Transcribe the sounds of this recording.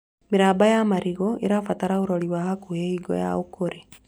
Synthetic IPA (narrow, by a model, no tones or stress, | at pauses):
miɾaːbajamaɾiɣɔḛɾafataɾaoɾoliwahakuheiɡo̰ja̰okoɾe